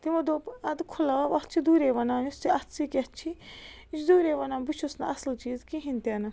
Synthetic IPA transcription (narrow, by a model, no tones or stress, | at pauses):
t̪imod̪opɐd̪kʰulaʋaʋɐt͡ʃʰid̪uːɾeːʋɐnaːnust̪ʰiɐt̪sikʲɐt͡ʃʰi | it͡ʃʰd̪uːɾeːʋɐnaːnbut͡ʃʰusnɐɐslt͡ʃiːzkiɦint̪ʲɐnɐ